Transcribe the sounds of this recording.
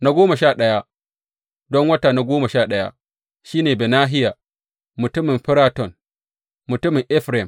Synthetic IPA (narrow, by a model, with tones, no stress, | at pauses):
na˦ɡʷoː˦ma˨ʃaː˦˨ɗɐ˦ja˦ | dɔ˦ŋwɐ˦taː˨na˦ɡʷoː˦ma˨ʃaː˦˨ɗɐ˦ja̰˦ | ʃiː˦neː˨be˨naː˦ɦɪ˦jaː˨ | mʊ˨tʊ˦mɪ˨mɸɪ˦ɾaː˦tɔ˨n | mʊ˨tʊ˦mɪ˨ŋʔɪ˦ɸɾɛ˨m